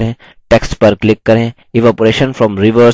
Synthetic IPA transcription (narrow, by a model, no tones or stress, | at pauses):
ẽː | ʈeksʈpɐɾklɪkːɐɾẽ | ɪʋapɾeːʃə̃nfɾɔ̃mɾiʋə